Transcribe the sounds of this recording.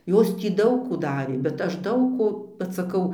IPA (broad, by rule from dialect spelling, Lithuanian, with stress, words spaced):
ˈjoːs ˈtʲiː ˈdɐʊk ˈkuː ˈdɑːrʲeː bʲɛt ˈɐʃ ˈdɐʊk ˈkoː ʋɐt sɐˈkɐʊ